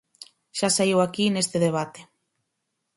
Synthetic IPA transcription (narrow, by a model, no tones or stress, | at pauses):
ʃasaiwakinest̪ɪðeβ̞at̪e̥